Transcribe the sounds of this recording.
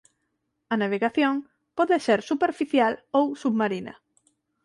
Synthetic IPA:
ɐnaβ̞eɣaθjoŋ | pɔðeseɾsupeɾfiθjalowsuβmaɾinɐ̰

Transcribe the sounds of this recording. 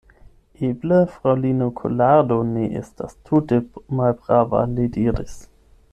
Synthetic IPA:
ʔebləfʁawlinokʰo̰ladoneʔḛstʰa̰stʰutemalbʁava̰lidiːɾis

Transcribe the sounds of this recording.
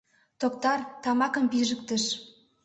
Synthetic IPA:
t̪ok̚t̪ɑrt̪ɑmɑkə̆mpiʒək̚t̪əʃ

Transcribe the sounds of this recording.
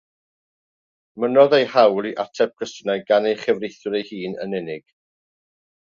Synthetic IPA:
mənɔðejhawliʔatʰɛp̚kʰəstnajɡanejχɛvrejθʊɾejhiːnə̰nɛnɪɡ̥

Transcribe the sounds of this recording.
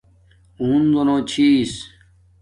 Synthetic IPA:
uːnd̪onõːt͡ɕʰis

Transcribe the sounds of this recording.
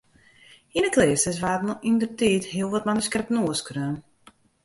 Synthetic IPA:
inəkleːstəs̬ʋaːtnɔindərtiːthiəlˠʋɔtmanəskɛrpnoəskrøːn

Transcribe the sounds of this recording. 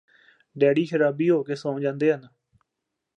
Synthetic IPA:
ɖɛːɽiːkʰəɾaːbiːɦoːkeːsãːd͡ʒãːnd̪eːɦən

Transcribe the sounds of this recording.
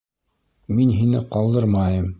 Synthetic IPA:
minɦinɘqɑlˠd̪ɤɾmɑjɤm

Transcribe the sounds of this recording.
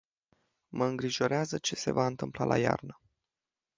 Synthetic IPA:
məɨŋɡɾiʒo̞ɾeazət͡ʃe̞se̞vaɨnt̪ɨmplalʔaja̰rnə

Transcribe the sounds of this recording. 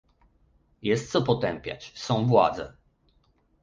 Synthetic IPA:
jɛst̪t̪sɔpɔt̪ɛmpʲja̰t͡ɕsɔ̃w̃vwa̰d̪zɛ̰

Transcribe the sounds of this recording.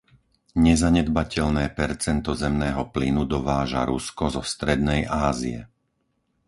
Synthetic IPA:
ɲɛzaɲɛd̪bacɛʎnɛːpɛɾt͡sɛnt̪ɔzɛmnɛːɦɔplinud̪ɔʋaːʒa̰ɾuskɔzɔst̪ɾɛd̪nɛjʔaːzḭɛ̰

